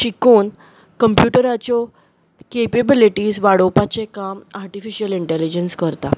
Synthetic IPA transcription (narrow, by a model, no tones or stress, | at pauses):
ɕikoːn | kəmpjuʈəɾat͡ɕjɔ | kepebiliʈiːsʋaɽopat͡sekamaɾʈifiɕiəliɳʈɛlid͡ʑənskəɾt̪a̰